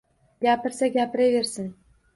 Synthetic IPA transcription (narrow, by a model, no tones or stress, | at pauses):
ɡʲapɪɾsaɡʲapɪɾeveɾsɪn